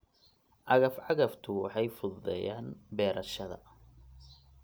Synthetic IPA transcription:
ʕɑɣɐfʕɑɣɐft̪ʰʊwɑħɑjfʊððɛ̰jaːnbɛːɾɐʃɐðɐ̰

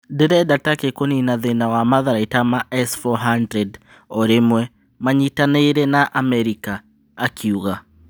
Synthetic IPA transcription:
deɾɛdatakekoninaðenawamaðaɾaitamaɛsfɔɦandɾɛd | ɔɾemwɛ | maɲitaneɾɛnaʔamɛɾikaː | kʰiuɣa

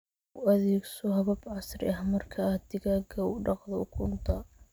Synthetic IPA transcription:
ʊʔɐðɛːɡsɔɦɐβɐbʕɑsrɪ̰ɐhmɐrkʰɐd̪ɪɣaːɡʰɐʊɖɑqðɔʊkʰʊnt̪ʰɐ

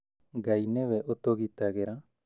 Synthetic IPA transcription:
ɡajneβeʔot̪oɡit̪aɡeɾa

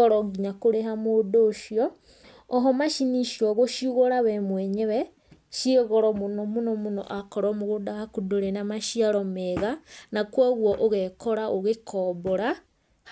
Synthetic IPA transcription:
ɾɔɡiɲakoɾeɦamodoːʃiɔː | ɦɔmaʃiniʃiɔɣoʃjuɣoɾaβɛmwɛɲeβɛ | ʃiɣoɾɔmonomunomuno̰ʔakɔɾɔmoɣodahakudoɾenamaʃiaɾɔmeɣanakwaɣwɔʔoɣɛkɔɾaʔoɣekʰɔboɾa

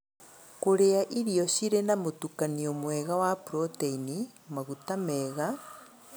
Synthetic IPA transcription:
koɾeaʔiɾiɔʃiɾenamotukaniomwɛɣawapɾoteinimaɣutamɛɣa

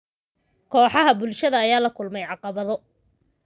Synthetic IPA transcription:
kʰɔːħɑɦɐbʊlʃɐðɐːjaːlɐkʰʊlmɛjʕɑqɑβɐðɔ

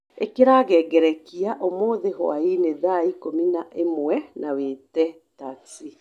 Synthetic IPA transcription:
ekeɾaɣɛɡɛɾɛkiaʔomoːðeɦw̰a̰ineðaikominaʔemwɛnaweːtɛ | tati

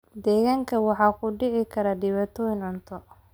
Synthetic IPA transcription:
d̪ɛːɣaːŋkʰɐwɑħɑːkʰʊɖɪʕɪkʰɐɾaɖɪβaːt̪ʰɔjɪnʕʊnt̪ʰɔ

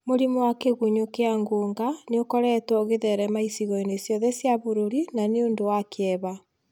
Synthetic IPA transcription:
moɾimowakeɣuɲokeaŋɡoːŋɡaneokɔɾɛtwɔoɣeðɛɾɛmaisiɣɔinesjɔðɛsjaβoɾoɾinaneondowakeɛβa

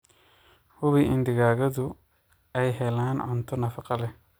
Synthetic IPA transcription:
hʊβɪʔɪnd̪ɪɣaːɣɐðʊ | ɛjɦɛlaːnʕʊnt̪ʰɔnɐfɑqɑlɛh

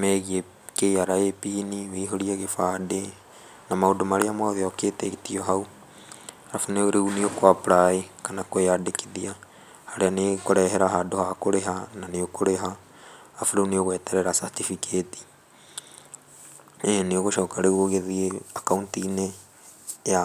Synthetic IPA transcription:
mɛɣie | keiaɾaepiniweɦoɾiaɣefade | namaodomaɾeamaðeɔketeɣetiɔɦau | ɾafoneoɾeuniokwapɾaekanakweadekiðia | haɾeanekoɾɛɦɛɾaɦadohakoɾeɦananeokoɾeɦaː | fuɾeunioɣwɛtɛɾɛɾasatifiketi̥ | ɛneoɣoʃɔːkaɾeuoɣeðieakauntiːne | ja

